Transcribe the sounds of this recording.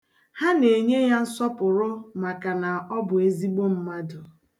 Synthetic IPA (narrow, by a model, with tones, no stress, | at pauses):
ha˦ne˨ɲe˦ja˦n̩˦sɔ˦pʊ˨ɾʊ˦ma˨ka˨na˨ɔ˦bʊ˨e˦zi˦ɡ͡bo˦m̩˦ma˦dʊ˨